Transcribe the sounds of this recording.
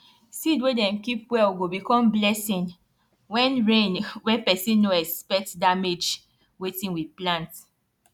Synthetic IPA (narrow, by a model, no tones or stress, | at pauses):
sidwedɛ̃mkipwɛɡobikɔ̃mblɛsĩn | wɛ̃nɹẽnwɛpɛsĩnːoɛspɛk̚tdamed͡ʒ | wetĩnwidplãnt